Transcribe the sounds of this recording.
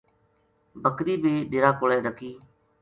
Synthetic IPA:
bəkɗ̪iːbiːɗɪːɾaːkoːlɛːɖəkiː

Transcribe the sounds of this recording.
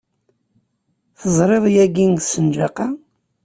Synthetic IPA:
θəzˤɾˤeðˤjæɡiŋsənd͡ʒɑqɑ

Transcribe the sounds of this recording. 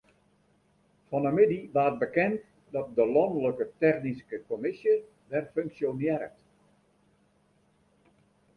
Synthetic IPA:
fɔnəmɪdiʋaːət̚bəkɛnt | dɔt̚dəlɔndələkətɛxniskəkomɪsjə | dɛrføŋksjonjɛɾə̰t

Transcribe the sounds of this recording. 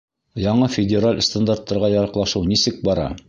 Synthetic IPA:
jɒɴɤfʲɪdʲɪɾalʲst̪and̪art̪ːɑɾʁɑjɑɾɑqlˠɑʃɤwnisɘk̚bɑɾɑ̰

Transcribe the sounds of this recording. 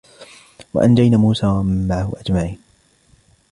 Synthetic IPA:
wa̰ʔand͡ʒajnaːmuːsaːwamːaʕhʊʔad͡ʒmaʕiːn

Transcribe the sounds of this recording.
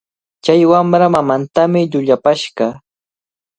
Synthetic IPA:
t͡ʃajwamɾamamant̪amɪʎʊʎapaʃɢɑ

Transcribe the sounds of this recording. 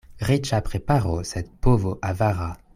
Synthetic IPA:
ʁit͡ʃapχepaʁosɛt̪̚povoʔavaʁa

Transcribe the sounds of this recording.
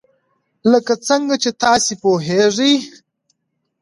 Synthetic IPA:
ləkat͡səŋɡat͡ʃet̪ɑːsepoɦeʐəj

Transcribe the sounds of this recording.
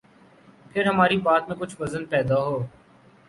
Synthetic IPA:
pʰɪɾɦɐmaːɾibaːt̪mẽkʊt͡ʃʰʋɐzənpɛːd̪aɦoː

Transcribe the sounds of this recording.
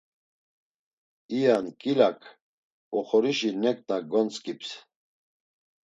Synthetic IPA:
ijankʼilakʰ | ɔχɔɾiʃinɛk̪̚ʼnaɡɔnt͡sʼkʼips

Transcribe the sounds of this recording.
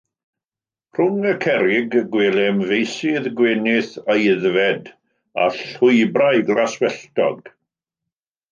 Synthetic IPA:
r̥ʊŋəkʰɛɾɪɡːweːlɛmvejsɪðɡweːnɪθajəðvɛd | a̰ɬʊɨbrajɡlˠaswɛɬtɔ̰ɡ

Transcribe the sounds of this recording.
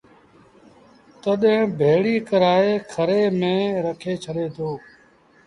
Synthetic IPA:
t̪əɗẽːbʱeːɽiːkəɾaːeːkʰəɾeːmẽːɾəkʰeːt͡ʃʰəɗeːd̪oː

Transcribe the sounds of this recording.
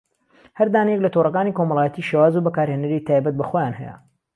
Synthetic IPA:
hɐɾd̪aːnijɛklɐt̪ʰorˤɐkaːniko̞mɐlˠaːjɛt̪iːʃeːwaːzubɐkaːɾheːnɐɾit̪ʰaːjbɐt̪̚bɐxoːjaːnɦɛ̰jɛ̰

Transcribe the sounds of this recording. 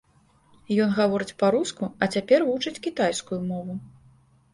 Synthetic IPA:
jɔnɣavɔɾɨt͡sʲpɐɾuskuɐt͡sʲapʲɛrvut͡ʂɨt͡sʲkʲit̪ajskujumɔvu

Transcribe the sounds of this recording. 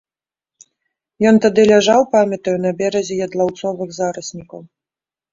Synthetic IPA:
jɔnt̪ad̪ɨlʲaʐawpamʲɐt̪ɐjunɐbʲɛɾɐzʲɛjɐd̪lˠawt̪sɔvɨɣzaɾɐsʲnʲikɐw

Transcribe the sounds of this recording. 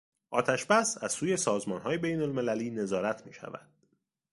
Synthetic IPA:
ʔɒ̰ːt̪ʰæʃbæsæz̥suːje̞sɒːzmɒːnɦɒːje̞be̞jnolme̞læliːne̞zɒːɾæt̪ʰmiːʃæ̰væ̰d̪̥

